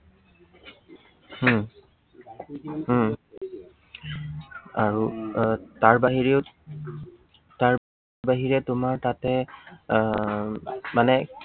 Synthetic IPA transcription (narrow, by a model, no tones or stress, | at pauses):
h | aɹu | taɹbaɦiɹeʊ | taɹ | baɦiɹɛtʊmaɹtatɛ | manɛ